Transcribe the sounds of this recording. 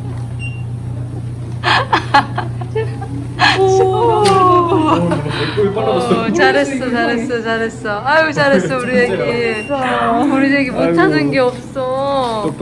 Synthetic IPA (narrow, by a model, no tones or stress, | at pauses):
t͡ɕaɾɦe̞s͈ʌt͡ɕaɾɦe̞s͈ʌt͡ɕaɾɦe̞s͈ʌajot͡ɕaɾɦe̞s͈ʌuɾideɡe | uɾideɡemotʰanɯnɡe̞ʌp̚s͈ʌ